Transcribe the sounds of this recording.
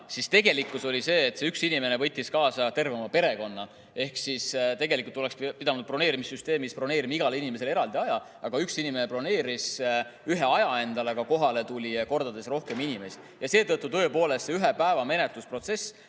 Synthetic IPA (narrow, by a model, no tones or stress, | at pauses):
sist̪e̞ɡ̥e̞likːˑuso̞lʲise̞ːt̪seyksinime̞nevɤ̞jt̪ʲːˑiskɑːsɑt̪e̞rvemɑpe̞ɾe̞ko̞nːɑ | e̞hksist̪e̞ɡe̞likult̪ːole̞ksppid̪ɑnud̪̚pro̞ne̞ːɾimisːyst̪e̞ːmispro̞neːɾimiɡɑleinimese̞leɾɑld̪iɑjɑ | ʔɑɡ̥ɑyksinime̞nepro̞ne̞ːɾisyɦe̞ɑjɑe̞nd̪̥ɑleɡ̥ɑko̞ɦɑle̞t̪ulʲiko̞rd̪̥ɑd̪e̞sro̞hke̞minime̞si | jɑse̞ːt̪ɤt̪ːˑut̪ø̞epo̞ːle̞st̪seyɦepæevɑme̞net̪luspro̞t̪se̞s